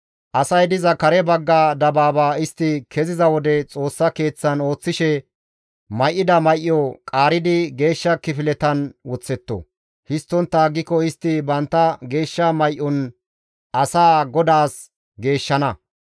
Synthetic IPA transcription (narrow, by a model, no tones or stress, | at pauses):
ʔɐsɐjd̪ɪzɐkɐɾɛbɐɡːaːd̪ɐbaːbaːɪst̪ːɪkʰɛzɪzɐwɔd̪ɛt͡sʼo̞ːsːɐke̞ːt͡sːɐno̞ːt͡sːɪʃɛ | mɐjʔːɪd̪ɐmɐjʔɪɔkʼaːɾɪd̪ɪɡe̞ːʃːɐkɪfɪlɛt̪ɐnwɔt͡sːɛt̪ːɔ̰ | hɪst̪ːɔnt̪ːɐɡːɪkɔɪst̪ːɪbɐnt̪ːɐɡe̞ːʃːɐmɐjʔːɔn | ʔɐsaːɡɔd̪aːs | ɡe̞ːʃːɐnɐ